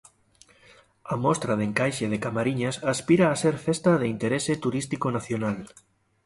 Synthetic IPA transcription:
amɔst̪ɾað̞eŋkajʃeð̞ekamaɾiɲasaspiɾaːseɾfest̪að̞eint̪eɾeset̪uɾist̪ikonaθjonal

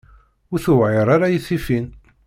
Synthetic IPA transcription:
ʊɾθʊvʕɪɾˤaɾajiθːifin

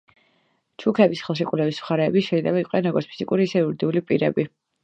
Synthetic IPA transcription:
t͡ʃʰukʰɛbisχɛlˠʃikʼulɛvismχaɾɛːbiʃɛilɛbaiqʼɛnɾɔɡɔɾt̪spʰizikʼuɾiːsɛiuɾid̪iulipʼiɾɛbi

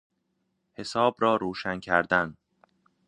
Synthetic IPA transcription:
he̞sɒːbɾɒːɾuːʃæncʰæɾd̪æn

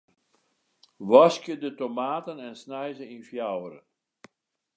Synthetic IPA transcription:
ʋɑskjədətomaːtənɛnsnɛjzəinfjawɾə̰

